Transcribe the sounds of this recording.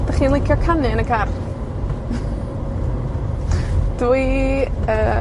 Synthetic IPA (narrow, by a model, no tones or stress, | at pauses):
d̥aχiːnlˠejkʰjɔkʰanɨnəɡar | d̥wuiəː